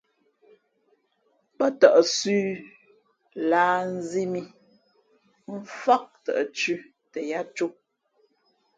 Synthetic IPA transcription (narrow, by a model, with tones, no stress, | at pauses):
pɔ˦tə˨ʔə˨sʉː˦ | laː˦n̩˦zi˦mi˦ | m̩˦fa˦k̚tə̰˨ʔə˨t͡ʃʉ˦ | tɛ˨ja˦t͡ʃu˦